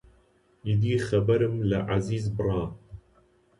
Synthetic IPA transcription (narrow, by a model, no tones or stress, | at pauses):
id̪iːxɐbɐɾɨmlaʔaziːzbɨrˤɑː